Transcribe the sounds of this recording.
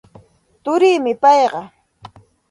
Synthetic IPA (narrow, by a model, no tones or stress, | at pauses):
t̪ʊɾɪːmɪpɑjɢɑ